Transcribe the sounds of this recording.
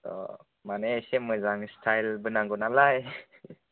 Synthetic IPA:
t̪ɔ̰ | manesemɯzaŋstʰajlbɯnaŋɡɔnalaj

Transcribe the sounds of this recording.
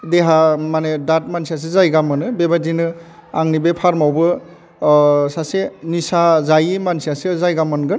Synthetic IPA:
deɦamanedat̚mansias̬ezajɡamɯnɯbebadinɯaŋnibepʰaɾmawbɯ | sasenisazajimansiasezajɡamɯnɡɯn

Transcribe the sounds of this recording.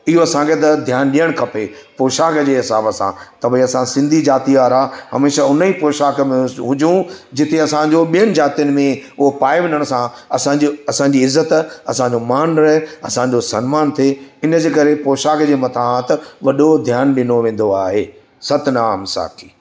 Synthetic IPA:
ɪɦoɐsãket̪̬ɐd̪ʱjaːnɗijəɽ̃kʰɐpepoːʃaːkd͡ʑeːɦɪsaːbəsã̰t̪ɐbeɐsãsɪ̃nd̪ʱid͡ʑaːt̪iaːɾaːɦɐmeːʃaʊnəipoːʃaːkmẽɦʊ̃d͡ʑũd͡ʑɪt̪eɐsãd͡ʑoɓijəɽ̃ɪ̆d͡ʑaːt̪ijənɪ̆mẽʊɦopaːeʋɪ̃nəɽ̃sãɐsãːd͡ʑɐsãɲd͡ʑiɪzːət̪ɐsãɲd͡ʑomaːnɾɐɦɪɐsãɲd͡ʑosɐnmaːnt̪ʰeɪnə̆d͡ʑeːkɐɾepoːʃaːkd͡ʑeːmɐt̪ʰaat̪ʋɐɗod̪ʱjaːnɗɪnoʋẽːn̆d̪oaːɦeː | sɐt̪naːmsa̰ːkʰi̥ː

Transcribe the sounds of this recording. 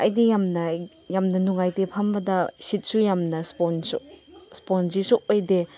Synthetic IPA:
ɐ̰jdijamnɐ | jamnɐnuŋajtepʰɐmbɐdɐsit̚sujamnɐsponsɔspɔnzisok̚ojde

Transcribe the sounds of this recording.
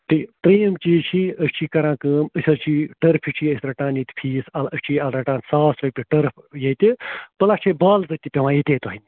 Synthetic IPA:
ʈʰiːt̪ɾiːmt͡ʃiːzt͡ʃʰiːəst͡ʃʰiːkɐɾãːkəːməsʲɐlt͡ʃʰiːʈəɾpʰit͡ʃʰiːəsʲɾɐʈãːnjet̪ʲpʰiːsɐlət͡ʃʰiːɐlɾɐʈãːnsaːsɾɐp̪ʲiʈəɾpʰjet̪ʲipəlat͡ʃʰebaːlzɐt̪ipʲiʋãːjit̪ʲeːt̪oɦinʲ

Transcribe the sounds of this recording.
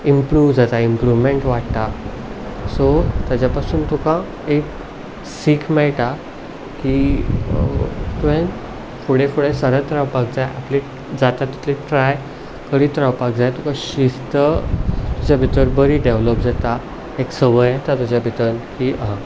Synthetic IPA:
impɾuʋd͡zat̪aimpɾuʋmeɳʈʋaʈt̪a | sot̪jat͡ɕjapasuːnt̪ukã | ek | siːkʰmɛɭʈ̪a | ki | t̪ʋẽn | fuɽefuɽesəɾət̪ɾawpak̚d͡zajʔa̰ple | d͡zat̪at̪ːi̥t̪liʈɾaj | kəɽiːt̪ɾawpak̚d͡zajt̪ukãɕist̪ət̪ud͡ʑabʱit̪əɾbəɾiːɖeʋləpd͡zat̪a | eksəʋəjet̪at̪ud͡ʑabʱit̪ənkiːʔəɦ

